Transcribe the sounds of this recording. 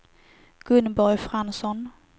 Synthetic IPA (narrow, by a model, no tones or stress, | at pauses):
ɡ̥ɵnbɔɾjfɾansɔn